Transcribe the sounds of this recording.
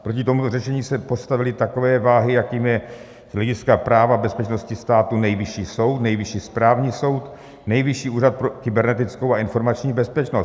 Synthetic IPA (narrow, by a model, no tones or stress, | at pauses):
pɾo̞cɪt̪o̞mut̪orɛʃɛɲiːsɛpo̞st̪avɪlɪt̪ako̞vɛːvaːɦɪjakiːmjɛ | z̥ɦlɛɟɪskapɾaːvabɛspɛt͡ʃno̞scɪst̪aːt̪unɛjvɪʃiːso̞wt̪nɛjvɪʃiːspɾaːvɲiːso̞wt̪ | nɛjvɪʃiːʔuːɾat̪̚pɾokɪbɛɾnɛt̪ɪt͡sko̞waɪnfo̞ɾmat͡ʃɲiːbɛspɛt͡ʃnos